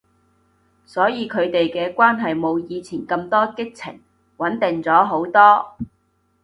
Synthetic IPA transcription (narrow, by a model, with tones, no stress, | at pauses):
sɔː˨˥jiː˨˧kʰɵ˨˧ɥt̪e˨jkɛː˧kʷwaː˥nɦɐ˨jmo˨˧wjiː˨˧t͡sʰiː˨˩nkɐ˧mt̪ɔː˥kɪ˥k̚t͡sʰɪ̰˨˩ŋ | wɐ˨˥nt̪ɪ˨ŋt͡sɔː˨˥ɦo˨˥wt̪ɔː˥